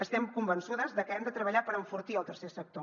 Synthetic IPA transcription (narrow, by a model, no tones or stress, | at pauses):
əst̪ɛmkumbənsuðəzðəkəɛmd̪ət̪ɾəβəʎapəɾəɱfuɾt̪iəlˠt̪əɾsesək̚t̪o